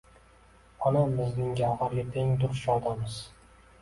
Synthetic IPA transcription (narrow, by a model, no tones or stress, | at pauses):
ɒnabɪznɪŋɡʲaʁaɾɡʲat̪ʰeŋd̪ʊɾt͡ʃɒlˠd̪amɨz